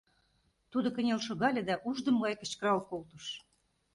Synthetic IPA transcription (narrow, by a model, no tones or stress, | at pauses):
t̪ud̪okə̆nʲelʃoɣɑlʲĕd̪ɑʔuʒd̪ə̆mɡɑjkə̆t͡ɕkəɾɑlkolt̪uʃ